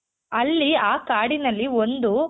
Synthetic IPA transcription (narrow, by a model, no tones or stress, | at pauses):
ɐlːiaːkaːɽinɐlːiond̪u